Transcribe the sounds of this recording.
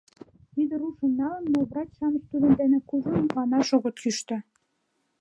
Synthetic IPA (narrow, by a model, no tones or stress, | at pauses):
t̪id̪ĕɾuʃə̆nʲːɑlɤ̆nːovrɑt͡ɕʲʃɑmɤ̆t͡ɕt̪ud̪ə̆nd̪enĕkuʒŏnmɑnɑʃŏɣŏt̪kyʃt̪ɘ̆